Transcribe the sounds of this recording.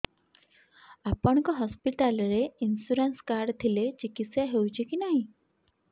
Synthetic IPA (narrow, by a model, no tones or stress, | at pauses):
apəɳ̃kɔɦɔspiʈalɾeinsuɾənskaɾɖt̪ʰilet͡ɕikitsjaɦewt͡ɕʰikinaɦĩ